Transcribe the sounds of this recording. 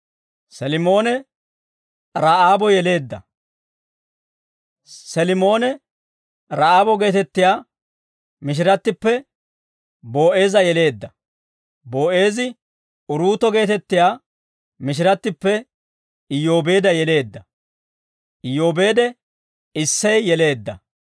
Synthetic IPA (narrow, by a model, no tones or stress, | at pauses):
sɛlɪmo̞ːnɛ | ɾaːʔaːbɔjɛle̞ːd̪ːɐ | sɛlɪmo̞ːnɛ | ɾaːʔaːbɔɡe̞ːt̪ɛt̪ːɪjaː | mɪʃ̬ɪɾɐt̪ːɪpːɛ | bo̞ːʔe̞ːzɐjɛle̞ːd̪ːɐ | bo̞ːʔe̞ːzɪ | ʊɾuːt̪ɔɡe̞ːt̪ɛt̪ːɪjaː | mɪʃ̬ɪɾɐt̪ːɪpːɛ | ɪjo̞ːbe̞ːd̪ɐjɛle̞ːd̪ːɐ | ʔɪjo̞ːbe̞ːd̪ɛ | ɪsːɐjːɛle̞ːd̪ːɐ̰